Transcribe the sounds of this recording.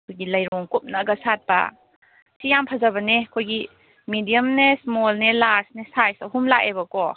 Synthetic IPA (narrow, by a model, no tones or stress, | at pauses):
kʰojɡilɐjɾɔŋkup̚nɐɡɐsat̚bɐ̰ | sijampʰazabɐnekʰojɡi | midijəmnesmɔlnelasnesajsɐɦumlaʔebɐkɔ